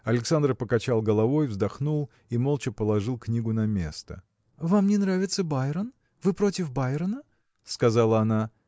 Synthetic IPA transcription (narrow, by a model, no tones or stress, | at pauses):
ɐlʲɪksand̪rpəkɐt͡ɕalˠɡəlˠɐvo̞jvzd̪ɐxnulˠ | imolˠt͡ɕɪpəlˠɐʐɨlˠknʲiɡʊnɐmʲe̞̰st̪ə̰ | vamnʲɪnɾavʲɪt̪səbajɾən | vɨpɾo̞tʲɪfbajɾənə | skɐzalˠəɐna